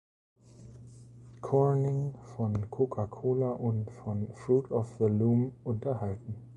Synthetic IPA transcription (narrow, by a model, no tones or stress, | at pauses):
kʰɔnɪŋfɔnkʰokʰakʰoːlaʔʊntfɔnfʁuːtɔfðəluːmʔʊntɐhaltn̩